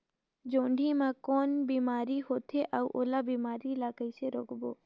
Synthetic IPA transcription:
d͡ʒõːɳɖʱiːmãːkoːnbiːmaːɾiːɦoːt̪ʰeʔauʔoːlaːbiːmaːɾiːlaːkəiseɾoːkboː

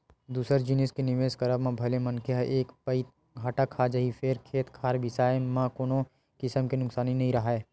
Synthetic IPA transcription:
d̪uːsəɾd͡ʒɪneskenɪʋeːskɐɾəbmãbʱɐlemɐnkʰeɦəʔeːkpəit̪ | ɡʱaːʈakʰːaːd͡ʒɐɦifʰeːɾkʰeːt̪kʰaːɾbɪsaːemãkoːno | kɪsəmkenʊksaːninɐɦĩɾɐɦaeː

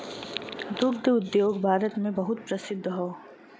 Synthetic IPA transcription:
d̪ʊkd̪ʊd̪joːɡbʱaːɾət̪mẽbɐɦʊt̪̚pɾəsɪd̪ʱːɦoː

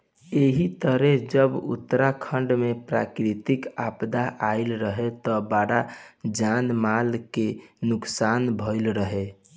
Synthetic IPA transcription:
eɦit̪əɾed͡ʒəbṵt̪ːɾakʰəɳɖmepɾa̰kɾit̪ikapd̪aʔaɪlɾəɦet̪ɔbaɽad͡ʒanmalkenuksanbʱəɪlɾəɦe

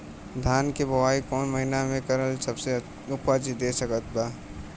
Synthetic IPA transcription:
d̪ʱaːnkebʱəwaːikɔːnməɦɪnamẽkəɾəlsəbse | ʊpad͡ʒid̪esəkət̪baː

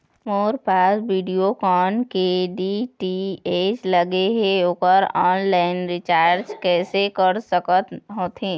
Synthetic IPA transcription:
moːɾpaːsʋiːɖijokɔːnkeɖiʈieːt͡ʃləɡeɦeokəɾɔːnlaːɪnɾɪt͡ʃaːɾd͡ʒkɛːsekəɾsəkət̪ɦoːt̪ʰɦẽː

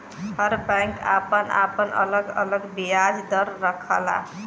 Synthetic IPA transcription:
həɾbãjŋka̰pəna̰pənʔə̰ləɡə̰ləɡbijad͡ʒd̪əɾːəkʰə̰la̰

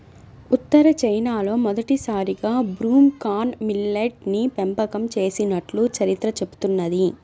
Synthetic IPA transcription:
ut̪ːɐɾɐt͡ʃɐjnaːlo̞ːmɔd̪ɐʈisaːɾiɡaːbɾuːmkaːnmilːeʈ̚nipempɐkɐmt͡ʃe̞ːsinɐʈlut͡ʃɐɾit̪ɾɐt͡ʃe̞bu̥t̪unːɐd̪i

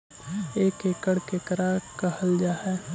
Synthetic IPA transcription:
eːkeːkəɽkekəɾakəhəld͡ʒaːɦɛː

